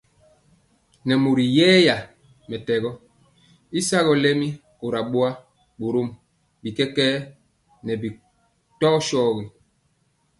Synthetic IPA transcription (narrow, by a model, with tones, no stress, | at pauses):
nɛ˨mu˨ɾi˨jɛː˦ja˨ | mɛ˨tɛ˨ɣɔ˦ | i˦sa˦ɣɔ˨lɛ˦mi˦ | o˨ɾa˨ɓo˦a˦ | ɓo˨ɾo˦m | bi˨kɛ˦kɛː˦ | nɛ˨bi˨ | tɔ˦ʃɔː˦ɣi˨